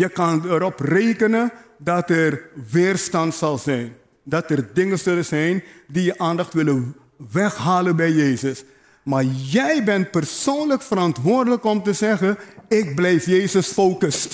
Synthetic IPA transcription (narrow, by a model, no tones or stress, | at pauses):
jəkɑnəɾɔprejkənəndɑtɛrʋɪːrstɑntsɑlˠzɛjn | dɑtərdɪŋəz̥ɵləzɛjndijəʔaːndɑχtʋɪlə | ʋɛxɦaːlənbɛjːejsəs | maːɹjɛjbɛnt̚pərsoːnləkfəɾɑntʋʊːrdələkɔmtəzɛχəɪk̚blɛjfjejzəsfowkəs